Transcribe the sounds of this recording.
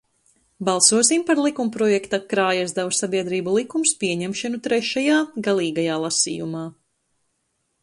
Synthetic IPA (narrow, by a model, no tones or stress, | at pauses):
balˠsuɔs̬impaɾlˠikumpɾɔjɛkt̪akɾaːjazd̪awsabiɛd̪ɾiːbulˠikumspiɛɲɛmʃanut̪ɾɛʃajaːɡalˠiːɡajaːlˠasḭːjumaː